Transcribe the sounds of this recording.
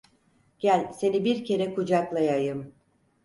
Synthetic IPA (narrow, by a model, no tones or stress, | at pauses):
ɟ̥ælʲse̞nibiɾcʰe̞ɾɛkʰud͡ʒaklˠajajɯm